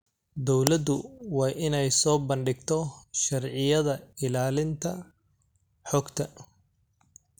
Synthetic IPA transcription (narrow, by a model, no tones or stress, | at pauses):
d̪ɔwlɐd̪ʊwɑːʔɪnɛjsɔːbɐnɖɪɡt̪ʰɔʃɐrʕɪjɐðɐɪlaːlɪnt̪ʰɐ | ħɔɡt̪ʰɐ